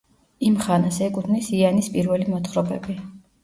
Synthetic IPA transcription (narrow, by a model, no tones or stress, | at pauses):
imχanasɛkʼut̪ʰnisianispʼiɾvɛlimɔt̪χɾɔbɛ̰bi